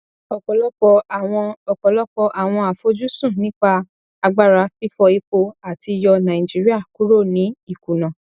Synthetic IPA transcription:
ɔ˨kɔ˨lɔ˦ɔ˧˨ɔ̃˧ɔ˨kɔ˨lɔ˦k͡pɔ˧ʔa˨w̃ɔ̃˧a˨fo˨˦d͡ʒu˦sũ˦˨nĩ˦k͡pa˧ | a˧ɡ͡ba˦˨ɾa˨˦fi˦fɔ˧i˧k͡po˧a˨ti˧jɔ˧nã˨ĩ˨d͡ʒi˨˦ɾi˦a˦˨ku˦ɾo˦˨nĩ˨˦i˦˨ku˨nã˨

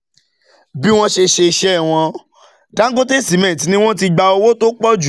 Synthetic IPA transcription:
bi˦w̃ɔ̃˦ʃe˧ʃe˧i˧ʃɛ˦˨w̃ɔ̃˧ | da˨˦ŋ˦ɡo˦te˦˨si˨˦mɛ̃˨t̬i˨˦nĩ˦w̃ɔ̃˦ti˧ɡ͡ba˧o˧wo˦to˦k͡pɔ˦d͡ʒu˨

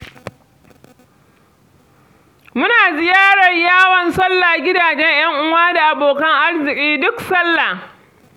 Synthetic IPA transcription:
mʊ˦naː˨zɪ˨jaː˦ɽɐ˨ɲjaː˦wɐ˨nsɐ˦lːa˨ɡʲɪ˦daː˨d͡ʒɛ˦ɲj̰ɐ˦ŋʔʊ˦waː˦da˨ʔa˨boː˨kɐ˦ŋʔa˦rzɪ˨kʲʼiː˦dʊ˦ksɐ˦lːa˨

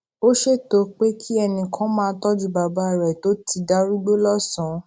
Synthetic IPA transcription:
o˦ʃe˦˨to˨˦k͡pe˦kʰi˦ɛ˧nĩ˧kʰã˨˦mãː˦˧˦tɔ˦d͡ʒu˦˨ba˨ba˦˨ɾɛ˨to˦ti˧da˦ɾu˦ɡ͡bo˦lɔ˦sɔ̃˨˦

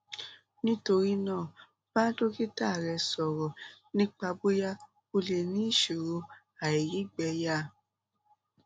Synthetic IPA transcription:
nĩ˦to˧ɾi˦nãː˦˨ | b̥a˦do˦ki˦ta˦˨ɾɛ˧sɔ˨ɾɔ˨ | nĩ˦k͡pa˧bo˦ja˦ | o˧le˨nĩ˨˦˨ʃo˨ɾo˧ | a˨i˨ɾi˨˦ɡ͡bɛ˧˦ja˦

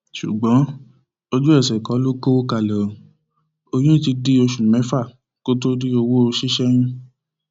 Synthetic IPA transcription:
ʃṵ˨ɡ͡bɔ̃˨˦ | o˧d͡ʒu˦ɛ˦˨sɛ˨kɔ˨˦lo˦ko˦ka˧lɔ˨ | o˧j̃ĩ˦ti˧di˧˦o˧ʃu˨mɛ̃˨˦fa˦˨ | ko˦t̬o˦ɾi˦o˧wo˦o˧ʃi˦ʃɛ˦j̃ĩ˦

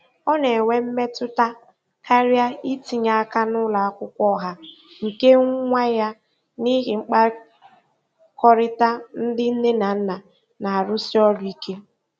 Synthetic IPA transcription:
ɔ˦ne˨wʷe˦m̩˦me˦tʊ˦ta˦ | kʰa˦ɾja˦i˦ti˨ɲa˨a˦ka˦nʊ˦la˨a˦kʷʊ˦kʷɔ˦ɦa˦ | ŋ̩˨ke˦ŋʷa˦ja˦ | ni˦ɣɪ˨ŋ͡m̩˦k͡pa˦ | kɔ˦ɾɪ˦ta˦n̩˦dɪ˦n̩˦ne˦na˨n̩˦na˨ | na˨a˨ɾʊ˦si˦ɔ˦lʊ˨i˦kʰe˦

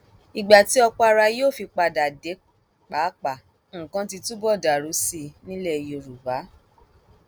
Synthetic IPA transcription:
i˨ɡ͡ba˨ti˨˦ɔ˧k͡pɔ˧a˧ɾa˧joː˦˨fi˧k͡pa˧da˨de˨˦ | k͡pa˨˦k͡pa˨ | ŋ̩˨kã˧ti˧tũ˦bɔ˦˨da˨ɾu˨˦si˧nĩ˦le˦˧jo˧ɾu˨ba˨˦

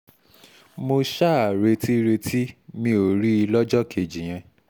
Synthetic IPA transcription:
mo˧ʃa˦a˨ɾe˧ti˦ɾe˧tʰi˦mĩ˧o˨ɾi˦i˧lɔ˦d͡ʒɔ˦ke˨d͡ʒi˨j̃ã˧

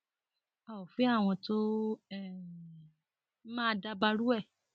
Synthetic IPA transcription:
a˨o˨fi˨˦a˦˨w̃ɔ̃˧to˦ɛ˦˨˦ | mãː˦da˧ba˧ɾu˦ɛ˦˨

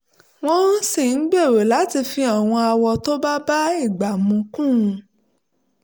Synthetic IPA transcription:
w̃ɔ̃˦n̩˦si˦˨n̩˦ɡ͡be˦˨ɾe˨la˨˦ti˧fi˧a˨w̃ɔ̃˧a˧wɔ˧to˦ba˦ba˦i˦˨ɡ͡ba˨mũ˨˧kũ˦˧

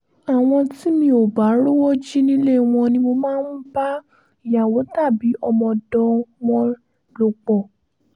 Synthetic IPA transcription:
a˨w̃ɔ̃˧ti˦mĩ˧o˨ba˨˦ɾo˦wɔ˦d͡ʒi˦nĩ˦le˦˨w̃ɔ̃˧nĩ˧mo˧mãː˦n̩˦ba˦ | i˨ja˨wo˨˦ta˦˨bi˨˦ʔɔ˧mɔ̃˧dɔ˧wɔ̃˧ | lo˧˨k͡pɔ˨

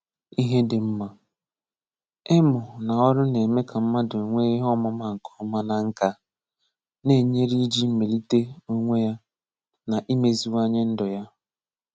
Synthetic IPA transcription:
i˦ɦe˦dɪ˨m̩˦ma˨ | ɪ˦mʊ˨na˨ɔ˦ɾʊ˦ne˨me˦kʰa˨m̩˦ma˦do˨ŋʷe˦i˦ɦɔ˦ma˦ma˦ŋ̩˨kʰɔ̥˦ma˦na˨ŋ̩˦ka˦ | ne˦˨ɲe˦ɾi˦d͡ʒi˦me˨li˦te˦o˦ŋʷe˦ja˦ | na˨ʔi˦me˨zi˨wa˦ɲe˦n̩˦dɔ˨ja˦

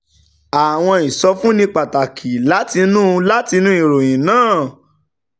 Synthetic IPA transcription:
a˨w̃ɔ̃˧i˨sɔ˧fũ˦nĩ˧k͡pa˨ta˨kʰi˨la˨˦ti˧nũ˦˧la˦ti˧nũ˦i˦˨ɾo˨j̃ĩ˨nãː˦˨

